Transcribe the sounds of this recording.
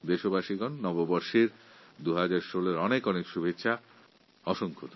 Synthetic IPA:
d̪eʃobaʃiɡɔnːɔbobɔɾʃiɾd̪uɦad͡ʑaɾʃoleɾɔnekɔnekʃubʱetːɕʰa | ɔʃoŋkʰot̪

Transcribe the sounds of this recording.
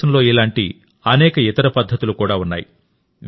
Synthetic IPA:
ɐnlo̞ːilaːɳʈi | ɐnɛːkɐit̪ɐɾɐpɐd̪ʱːɐt̪ulukuːɽaːunːaːji | ʋ

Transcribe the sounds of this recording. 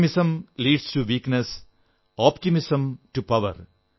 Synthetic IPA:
mɪsə̃mliːɖsʈuʋiːknes | ɔːpʈɪmɪsə̃mʈupɐʋə̰ɾ

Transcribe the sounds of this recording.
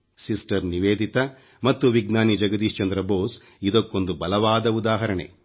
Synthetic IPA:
sisʈɐɾniʋeːd̪it̪ɐ | mɐt̪ːuʋiɡnaːnid͡ʒɐɡɐd̪iːʃt͡ʃɐnd̪ɾɐboːs | id̪okːond̪ubɐlɐʋaːd̪ɐud̪aːɦɐɾɐɳḛ

